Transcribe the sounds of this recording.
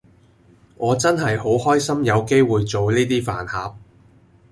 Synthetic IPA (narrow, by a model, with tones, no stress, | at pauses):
ŋɔː˨˧t͡sɐ˥nhɐ˨jho˨˥whɔː˥jsɐ˥mjɐ˨˧wke˥jwuː˨jt͡so˨wliː˥t̪iː˥fa̰ː˨˩nhaː˨˧p̚